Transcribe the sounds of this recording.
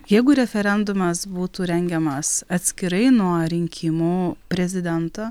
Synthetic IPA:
jɛɪɡʊɾʲɛfʲɛɾʲɛnd̪ʊmɐsbuːt̪uːɾʲɛŋʲɡʲɛmɐsɐt̪ʲsʲkʲɪɾɐɪnuɔɾʲɪŋʲkʲʰɪmuːpʲɾʲɛzʲɪd̪ʲɛnt̪oː

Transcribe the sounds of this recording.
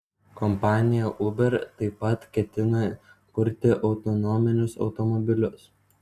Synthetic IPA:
kɔmpɑːnʲɪjɛʔʊbʲɛɾt̪ɐɪpɐt̪kʲɛt̪ʲɪnɐkʊɾʲt̪ʲɪʔɒʊt̪ɔnɔmʲɪnʲʊsɒ̰ʊt̪ɔmɔbʲɪlʲʊs

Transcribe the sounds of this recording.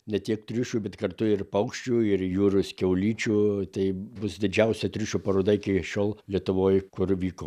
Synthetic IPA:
nʲɛt̪ʲiɛkt̪ʲɾʲʊʃʲuːbʲɛt̪kɐrt̪ʊɪrpɐʊkʃʲt͡ʃʲuːɪrjuːɾʊskʲɛʊlʲiːt͡ʃʲuːt̪ɐɪbʊsd̪ʲɪd͡ʒʲɛʊsʲɛt̪ʲɾʲʊʃʲuːpɐɾoːd̪ɐɪkʲɪʃʲoːlˠlʲiɛt̪ʊʋoːjkʊrʋʲiːkoː

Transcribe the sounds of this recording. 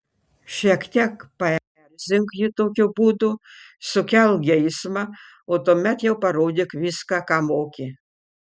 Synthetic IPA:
ʃʲiɛkt̪ʲiɛkpɐɛ | ɛɾʲzʲɪŋkjɪt̪oːkʲubuːd̪ʊ | sʊkʲɛlˠɡʲɛɪsmɐ | oːt̪oːmʲɛt̪jɛʊpɐɾoːd̪ʲɪkʋʲiskɑkɑːmoːkʲɪ

